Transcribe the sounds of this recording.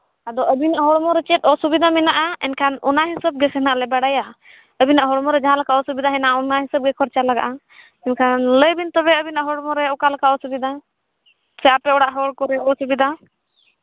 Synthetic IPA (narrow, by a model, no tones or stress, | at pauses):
ad̪ɔʔəbinaʔɦɔɽmɔɾɛt͡ʃɛt̪̚ɔsubid̪amɛnaʔaɛnkʰanɔ̰naɦɛsəb̚ɡɛsɛnaʔlɛbaɽaja | əbinaʔɦɔɽmɔɾɛd͡ʒaɦãlakaʔɔsubid̪aɦɛnaʔaɔnaɦɛsəb̚ɡɛkʰɔɾt͡ʃalaɡa̰ʔa | ɛnkʰanləjbint̪ɔbɛəbinaʔɦɔɽmɔɾɛɔkalakaʔɔsubid̪a | sɛapɛɔɽaʔɦɔɽkɔɾɛɔsubid̪a